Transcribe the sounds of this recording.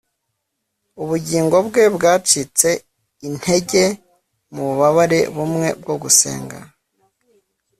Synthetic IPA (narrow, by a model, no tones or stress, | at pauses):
uβuɟiːŋɡo̞bɡe̞bɡaːt͡ʃit͡se̞ | in̥he̞ɟe̞ | muβuβaβaɾe̞̰βumŋe̞̰b̚ɡo̞ɡuse̞̰ːŋɡa̰